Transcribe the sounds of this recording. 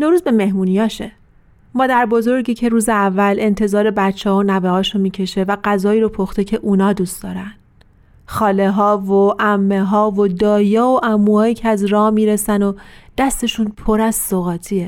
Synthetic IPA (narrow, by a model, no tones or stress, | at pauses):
noɾuːzbe̞me̞hmuːnijɒːʃḛ | mɒːd̪æɾbo̞zo̞ɾɟiːcʰe̞ɾuːzeævːælʔe̞nt̪ʰe̞zɒːɾe̞bæt͡ʃʰːɛɦonæbehɒːʃomiːcʰe̞ʃe̞væɡæzɒːiːɾopʰoxt̪e̞cʰe̞ʔunɒːd̪uːsd̪ɒːɾæn | xɒːleɦɒːvoʔæmːeɦɒːvod̪ɒːjɒːoʔæmːuhɒːjiːcʰeæzɾɒːhmiːɾe̞sænod̪̥æst̪e̞ʃuːnpʰo̞ɾæzsoɣɒːt̪ʰiːe